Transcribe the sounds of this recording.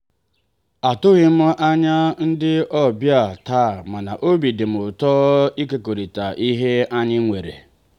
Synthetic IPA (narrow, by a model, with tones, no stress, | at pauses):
a˨tʊ˦ɣɪ˨m̩˦ʔa˦ɲa˦n̩˦dɪ˦ʔɔ˦bja˦˨taː˦˨ma˨na̰˨ʔo˦bi˨dɪ˨m̩˨ʊ˨tɔː˦i˦ke˨ko˨ɾi˨ta˨ʔi˦ɦe˦a˦ɲɪ˦ŋʷe˨ɾḛ˨